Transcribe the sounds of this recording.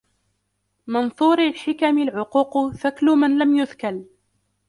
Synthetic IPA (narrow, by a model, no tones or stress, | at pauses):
mɑnθˤuːɾalħɪkamɪlʕʊquːqθaklʊmanlamjʊðkal